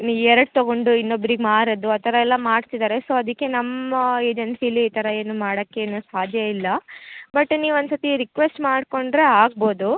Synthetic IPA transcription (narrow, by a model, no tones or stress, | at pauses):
niʋɛɾɐɽ̚t̪oɡo̞ɳɖuinːobːɾiɡemaːɾɐd̪uaːt̪ʰɐɾɐɛlːɐmaːɽt̪id̪aːɾeso̞ːɐd̪ikːe̞nɐmːɐe̞ːd͡ʒensijɐlːiiːt̪ɐɾɐeːnumaːɽɐkːeːnusaːd̪ʱjɐilːɐbɐʈːniːʋuond̪sot̪iɾikʋesʈmaːɽko̞ɳɖɾe̞aːɡ̚boːd̪u